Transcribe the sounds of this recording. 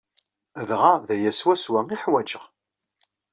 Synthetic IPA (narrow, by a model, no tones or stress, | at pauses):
ðʁaðæjæswæswæiħwæd͡ʒəʁ